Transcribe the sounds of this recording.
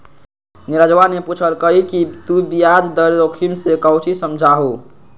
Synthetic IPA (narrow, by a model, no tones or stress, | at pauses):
niɾad͡ʒʋaneput͡ʃʰəɾkəɦikit̪ubijad͡ʒd̪əɾɾokʰimsekəwt͡ʃʰisəmd͡ʒʱaɦu